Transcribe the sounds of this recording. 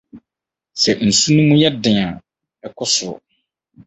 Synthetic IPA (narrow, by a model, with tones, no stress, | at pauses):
sɛ˨n̩˨su˦nũ˦mũ˦jɛ˦dɪ̃˨a˨ | ɛ˨kʰʊ˦sʊ˨ʊ̰˨